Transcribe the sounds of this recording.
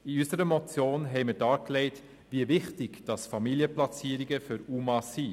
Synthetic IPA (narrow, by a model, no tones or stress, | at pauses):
iysəɾəmɔt͡sjoːnɦɛɪməɾdɑːklɛɪt | viəvɪχtɪɡd̥ɑsfɑmiliəplɑt͡siːəɾɪɡəfyɾuːmɑsi